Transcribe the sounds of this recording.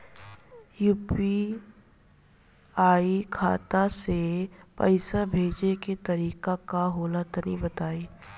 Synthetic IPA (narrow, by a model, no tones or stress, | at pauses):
juːpi | aːikʰa̰ːt̪asepə̰ɪsabʱeːd͡ʒeket̪ɐɾiːkakaɦoːlat̪ɐnibɐt̪aːiː